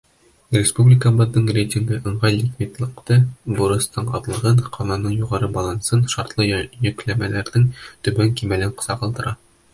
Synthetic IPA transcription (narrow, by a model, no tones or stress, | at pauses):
rʲɪspublʲɪkəbɤ̆ðːɤɴrʲejtʲiŋɡɤʔɤ̆ɴʁɑjlʲikvʲit̪lˠɤ̆qt̪ɤbuɾɤ̆st̪ɤɴɒ̰ðlˠɤ̆ʁɤɴqʰɒnɑnɤɴjuʁɑɾɤbɒlˠɑnsɤnʃɒɾt̪lˠɤjɵ̆klæmælæɾðɘŋt̪ɵ̆bæŋkimælɘɴqɤ̥̆sɑqɑlˠd̪ɤ̆ɾɑ